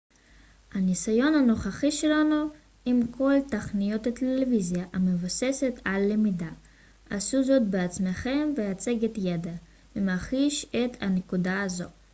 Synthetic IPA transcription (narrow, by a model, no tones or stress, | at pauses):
hanisajo̞nano̞χaχiʃelanu | imko̞lt̪aχnijo̞t̪let̪elevizjaʔamevoseset̪ʰalːemida | ʔasuzo̞t̪̚beat͡smeχe̞mveat͡seɡet̪jed̪a | vemaχiʃet̪anekud̪aːzo̞